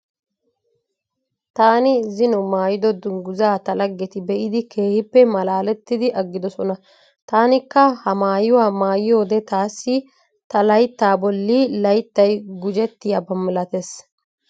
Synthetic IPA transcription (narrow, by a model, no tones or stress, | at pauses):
t̪aːnɪzɪnʊmaːjɪd̪ɔd̪ʊŋɡʊzaːt̪ɐlɐɡːɛt̪ɪbɛʔɪd̪ɪke̞ːhɪpːɛmɐlaːlɛt̪ːɪd̪ɪʔɐɡːɪd̪ɔsɔnɐ | t̪aːnɪkːɐhɐmaːjʊwaːmaːjɪjo̞ːd̪ɛt̪aːsːɪ | t̪ɐlɐjt̪ːaːbɔlːiːlɐjt̪ːɐjɡʊd͡ʒɛt̪ːɪjaːbɐmːɪlɐt̪es